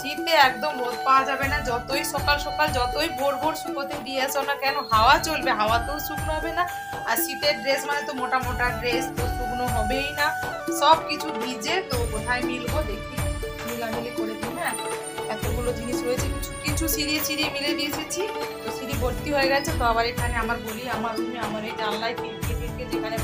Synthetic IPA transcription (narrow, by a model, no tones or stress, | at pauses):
ʃit̪ːeɛkd̪ombot̪̚paad͡ʑabenad͡ʑɔt̪ojʃɔkalʃɔkald͡ʑɔt̪ojbʱoɾbʱoɾʃukot̪ed̪ieaseɔmnakɛnoɦaoat͡ɕolbeɦaoat̪osuknoɦɔbena | aɾʃiʈeɾɖɾesmanet̪omoʈamoʈaɾɖɾest̪opuɾnoɦɔbejnaʃɔbkit͡ɕʰubid͡ʑet̪okot̪ʰajmiɾbod̪ekʰi | muladelikoɾed̪ibeakʰon | t̪akeɡulod͡ʑiniʃɾojet͡ɕʰekit͡ɕʰukit͡ɕʰusiɾiesʰiɾiemiled̪iet͡ɕʰet͡ɕʰit̪osiɾibolt̪iɦoeɡɛt͡ɕʰet̪oabaɾekʰaneamaɾboliamaɾomiamaɾejd͡ʑalːaepiʈkepiʈked͡ʑekʰane